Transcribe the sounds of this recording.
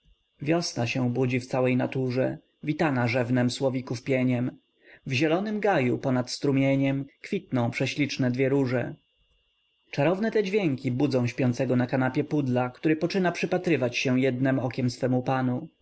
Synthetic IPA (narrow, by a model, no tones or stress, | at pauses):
vʲjɔsnaɕɛ̃bud͡ʑift̪sawɛjnat̪uʐɛ | vʲit̪anaʐɛvnɛmswɔvʲikufpʲjɛɲɛm | vʑɛlɔnɘmɡajupɔnat̪st̪ɾumʲjeɲɛmkfʲit̪̚nɔ̃w̃pʂɛɕlʲit͡ʂnɛd̪vʲjɛɾuʐɛ | t͡ʂaɾɔvnɛt̪ɛd͡ʑvʲjɛŋkʲibud̪zɔ̃w̃ɕpʲjɔnt̪sɛɡɔnakanapʲjɛpud̪lakt̪uɾɘpɔt͡ʂɘnapʂɘpat̪ɾɘvat͡ɕɕɛ̃jɛd̪nɛmɔkʲɛmsfɛmupanu